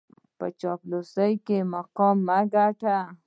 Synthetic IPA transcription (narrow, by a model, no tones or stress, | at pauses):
pɐt͡ʃɔplosəjkemaqɔːmːaɡaʈa